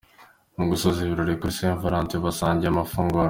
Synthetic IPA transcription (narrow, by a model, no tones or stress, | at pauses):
muɡusoziβiɾoɾikuɾisieɱfaɾaːntiβasaːɲɟeamafuŋɡoɾ